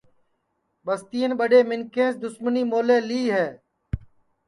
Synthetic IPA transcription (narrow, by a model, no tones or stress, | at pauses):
ɓəst̪iːənɓəɖeːmɪnkẽːsd̪ʊsməniːmoːleːliːɦɛː